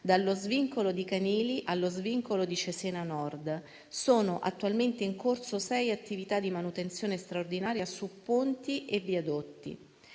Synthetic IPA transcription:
d̪alːozviŋkolod̪ikaniːliʔalːozviŋkolod̪it͡ʃesɛːnanɔrd̪ | soːnoʔa̰t̪ːualment̪eiŋkorsosɛjat̪ːivit̪ad̪ːimanut̪ent̪sjoːnest̪ɾaord̪inaːɾjasupːunt̪iʔeviad̪ot̪ːḭ

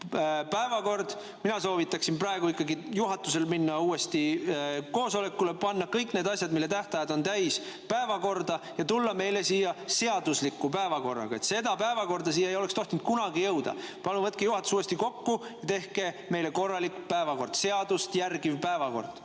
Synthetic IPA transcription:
pæevɑko̞rd̪̥ | minɑso̞ːvit̪ˑːɑksimprɑeɡ̥uikːˑɑɡijuɦɑt̪ːˑuse̞lminːɑuːest̪iko̞ːso̞le̞kːˑule̞pɑnːɑkɤjkneːd̪ɑsʲjɑd̪milːe̞t̪æht̪ɑjɑd̪o̞nt̪æjs | pæevɑko̞rd̪ɑjɑt̪ulːɑme̞jle̞siːjːɑse̞ɑd̪̥uslikːˑupæevɑko̞rːɑ̰ɡ̥ɑe̞t̪se̞d̪ɑpæevɑko̞rd̪̥ɑsiːjɑejo̞lekst̪o̞ht̪nt̪̚kunɑɡijɤwd̪ɑ̰pɑnuvɤt̪̚kejuɦɑt̪ːu̥suːest̪iko̞kːujɑt̪e̞hke̞ | me̞jle̞ko̞rːɑlikpæevɑko̞rd̪̥se̞ɑd̪ust̪jærɡivpæevɑko̞̰rd̪̥

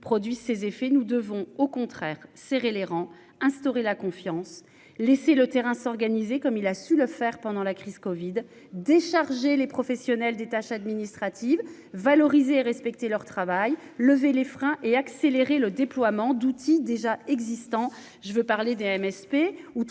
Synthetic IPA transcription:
pχɔd̪ɥisezefɛnud̪əvɔ̃okɔ̃t̪χɛːʁseʁeleʁɑ̃ | ɛ̃st̪ɔʁelakɔ̃fjɑ̃s | leselət̪eʁɛ̃sɔʁɡanizekɔmilasyləfɛʁpɑ̃d̪ɑ̃lakχiz̥kɔvid̪ː | eʃaʁʒelepχɔfɛsjɔnɛld̪et̪aʃad̪minist̪χat̪ʰivː | alɔʁizeːʁɛspɛk̚t̪elœʁt̪χavaj | ləvelefχɛ̃ʔeakseleʁeləd̪eplwamɑ̃d̪ut̪ʰid̪eʒaɛɡzist̪ɑ̃ | ʒ̥əvøpaʁled̪eɛmɛspeu

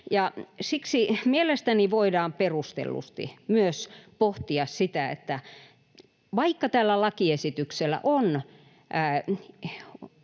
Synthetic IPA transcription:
jɑsiksimielest̪æniʋoidɑːmperust̪ḛlːṵst̪ḭmyøspoht̪iɑssit̪æḛt̪ːæ | ʋɑikːɑt̪æːlːælɑkiesit̪ykselːˑæ̰ʔonː

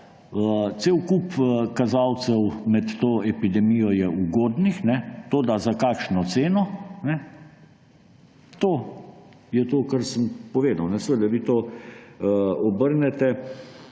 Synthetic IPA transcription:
seːwkupkazaːwt̪sɛwmɛt̪t̪oːɛpid̪ɛmijɔjɛuɡoːd̪nixnɛt̪oːd̪azakaːkʃnɔt̪seːnɔnɛ | t̪oː | jɛt̪oːkaɾsəmpɔʋeːd̪awnɛsʋed̪aʋit̪oː | ɔbəɾnɛt̪ɛ

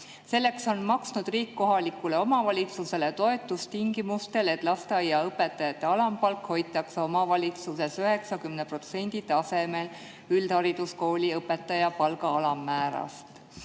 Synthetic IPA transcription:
se̞lːe̞kso̞nmɑksnud̪̥riːkːo̞ɦɑlikːˑule̞o̞mɑvɑlʲit̪suse̞le̞t̪o̞e̞t̪ːˑust̪iŋɡimust̪e̞le̞t̪ˑlɑst̪eɑjːɑɤpːe̞t̪ːˑɑjɑt̪ːˑe̞ɑlɑmpɑlkho̞jt̪ːˑɑkso̞mɑvɑlʲit̪suse̞syɦe̞ksɑkymnepro̞t̪se̞nʲd̪̥it̪ɑse̞me̞l | yld̪̥hɑɾid̪̥usko̞ːlʲiɤpːe̞t̪ːˑɑjɑpɑlɡɑɑlɑmːæːɾɑ̰st̪

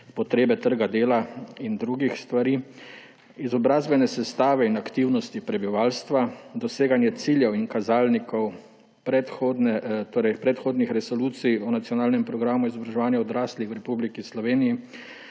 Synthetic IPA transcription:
pɔt̪ɾeːbɛt̪əɾɡad̪eːlaind̪ɾuːɡixst̪ʋaɾiː | izɔbɾaːzbɛnɛsɛst̪aːʋɛinakt̪iwnɔst̪ipɾɛbiʋaːlst̪ʋad̪ɔseːɡanjɛt̪siljɛwiŋkazaːlnikɔw | pɾɛt̪xod̪nɛt̪oːɾɛjpɾɛt̪xoːd̪nixɾɛsɔluːt̪sijɔnat̪sjɔnaːlnɛmpɾɔɡɾamuizɔbɾaʒɛʋaːnjɛɔd̪ɾaːslixwɾɛpublikislɔʋeːniji

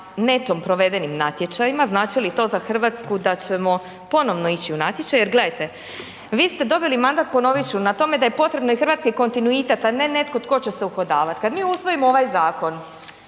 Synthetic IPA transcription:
ne̞t̪ompɾo̞ʋe̞d̪enimna̰t̪jet͡ʃajimaznaːt͡ʃilit̪o̞ːzaxr̩ʋat̪skud̪at͡ɕe̞mo̞ | po̞no̞ʋno̞it͡ɕiunat̪jet͡ʃajjeɾɡle̞d̪ajt̪e̞ | ʋiːst̪e̞d̪o̞bilimand̪at̪̚po̞no̞ʋit͡ɕunat̪o̞me̞d̪aje̞po̞t̪ɾe̞bno̞ixɾʋaːt̪skiko̞nt̪inuit̪et̪ane̞ne̞t̪kot̪ko̞t͡ɕe̞seuxo̞d̪aːʋat̪kad̪miːusʋo̞jimooʋajzaːko̞n

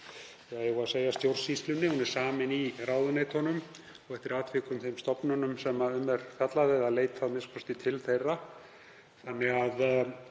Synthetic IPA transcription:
jaɣɛɣaseːjast̪jowr̥sist̪lʏnːɪhunɛɾ̥saːmɪniɾaːwðʏnejt̪hɔnʏm | ɔɣɛht̪ɪɾaːt̪ʰvɪkʏmθejmst̪ɔpnʏnʏmsɛmːaʏmːɛɾ̥fjat̪laðɪðaðleːjt̪θaðmɪskʰɔst̪ɪt̪ʰɪlθejrːa | θanːɛɣað

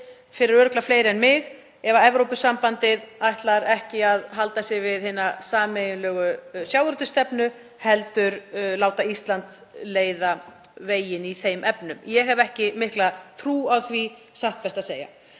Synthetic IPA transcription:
fɪɾɪɾœɾʏklafleːjɾɛnmɪɣ | ɛvaɛvɾowpʏsampant̪ɪðajht̪laɾɛhcɪaðɦalt̪asɪvɪðhɪnːasaːmejʏnlœːɣʏsjawɾʏt̪ʏst̪ɛpnʏ | hɛlt̪ʏɾlaːwt̪aist̪lant̪ | leːjða | veːjɪniθejmʔɛpnʏmjɛɦɛvɛhcɪmɪhklat̪ʰɾuːawθvisaht̪̚pɛst̪aseːja̰

